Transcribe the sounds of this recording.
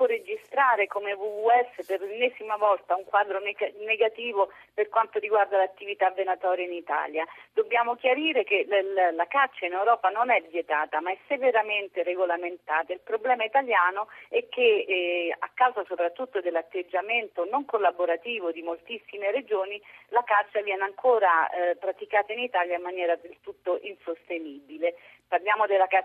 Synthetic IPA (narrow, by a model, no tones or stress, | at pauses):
pɔrːed͡ʒist̪ɾaːɾekomevuvuɛsːeperlenɛːzimavɔlt̪auŋkwaːd̪ɾonneɡat̪iːvoperkwant̪oɾiɡward̪alat̪ːivit̪avːenat̪ɔːɾjainit̪a̰ːljad̪obːjaːmok̟jaɾiːɾekelakat͡ʃːainɛwɾɔːpanonɛvːjet̪aːt̪amaɛsːeveɾament̪ereɡolament̪aːt̪ailpɾoblɛːmait̪aljaːnoɛk̟ːe | a̰kːawzasopɾat̪ːut̪ːod̪elːat̪ːed͡ʒːament̪onoŋkolːaboɾat̪iːvod̪imolt̪isːimered͡ʒoːnilakat͡ʃːavjɛːneaŋkʰoːɾapɾat̪ikaːt̪ainit̪aːljaimːanjɛːɾad̪elt̪ut̪ːoʔinsost̪eniːbile | parljaːmod̪elːaka